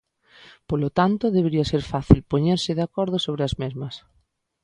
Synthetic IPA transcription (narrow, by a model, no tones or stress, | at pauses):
polot̪ant̪oðeβeɾiaseɾfaθilpoɲeɾsɪðeakɔɾð̞osoβ̞ɾeazmezmɐs